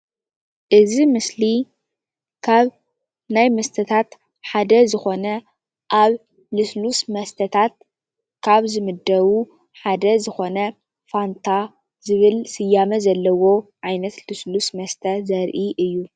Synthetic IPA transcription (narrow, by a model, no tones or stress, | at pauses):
ʔɨzimɨsli | kʰaβ | najmɐst̪ʰɐt̪ʰat̪ | ħad̪ɐzɨxo̞nɐ | ʔaβ | lɨslusmɐst̪ʰɐt̪ʰat̪̚ | kʰaβzɨmɨd̪ːɐβu | ħad̪ɐzɨxo̞nɐ | fant̪ʰa | zɨβɨlsɨjamɐzɐlːɐwo̞ʕajnɐt̪lɨslusmɐst̪ʰɐzɐɾʔiʔɨjːu